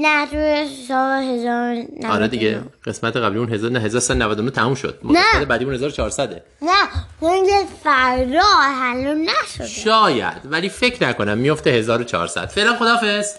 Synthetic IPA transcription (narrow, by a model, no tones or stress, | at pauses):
nætuesɒːhezɒːɾnæɒːɾɛd̪iɟḛɢe̞smæt̪ʰeɣæbliunɦeznɦe̞zɒːɾosæd̪onævæd̪onot̪ʰæmuːmʃo̰d̪̥mnæed̪ebæːd̪iunhe̞zɒːɾot͡ʃʰɒːɾsæd̪ḛ | næhoŋɡefæɾdɒːɦælunːæʃo̰d̪ʃɒːjæ̰d̪̥væliːfe̞cʰnækʰo̞næmːijoft̪ehe̞zɒːɾot͡ʃʰɒ̰ːɾsæ̰d̪̥feːlænxod̪ɒːfes